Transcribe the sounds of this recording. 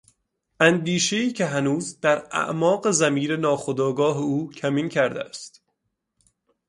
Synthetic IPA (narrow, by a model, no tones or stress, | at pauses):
ʔænd̪iːʃe̞iːcʰe̞ɦænuːzd̪̥æɾæ̰ʔmɒːɢe̞zæmiːɾenɒːxod̪ɒːɡɒːɦeuːcʰæmiːncʰæɾd̪eæst̪